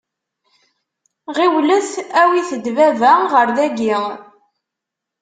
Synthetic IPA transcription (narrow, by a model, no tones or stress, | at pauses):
ʁiwləθæwiθəd̪vævæʁəɾðæɡi